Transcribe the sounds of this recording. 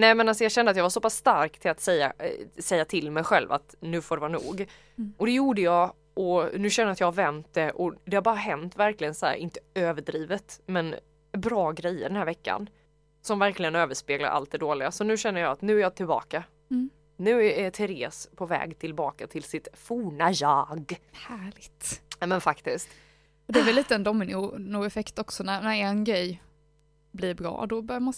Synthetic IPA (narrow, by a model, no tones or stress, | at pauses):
nɛɪmɛnalsɔjɑɕɛnd̪əat̪javasɔpasːt̪aɾkt̪ʰɪlat̪sɛjːa̰sɛjːat̪ʰɪlmɛjɧɛ̰lva̰t̪nʉ̟ːfɔɖɛvɑːɾnṵːɡ | ʔɔd̪ɛjuːɖəjɑː | ʔɔnʉ̟ːɕɛndəɾat̪jɑːhavɛnt̪̚d̪ɛʔɔd̪ɛhaɾbɑːɾaɦɛnt̪væɾklɪɡənsɔhæ̰ːɾɪnt̪ə̥øːvəɖɾiːvət̪mɛn | bɾɑːɡɾɛjːə̰ɖɛnæːɾvɛkːa̰n | sɔmvæɾklɪɡənøːvəʂpeːɡla̰ɾʔa̰lt̪̚d̪ɛd̪oːlɪɡasɔnʉ̟ːɕɛnːəjɑat̪nʉ̟ːæɾjɑːt̪ʰɪlbɑ̰ːka | nʉ̟ːææt̪ʰɛɾeːspʰɔvɛ̰ːɡt̪ʰɪlbɑːkat̪ʰɪlsɪt̪fuːɳajaɡhæːɭɪɡt̪ɛmɛnfakt̪ɪskt̪ | ɑd̪ɛɛɾvɛllːiːt̪əɛnd̪ɔmːɪnunʊɛfɛkt̪ɔksɔnæɾnæɾɛnɡɾɛj | blɪɾbɾɑ̰ːd̪ɔbœɾjman